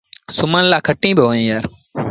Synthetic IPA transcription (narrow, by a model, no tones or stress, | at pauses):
sʊmənlaːkʰəʈːĩːbɪɦoːĩːjaːɾ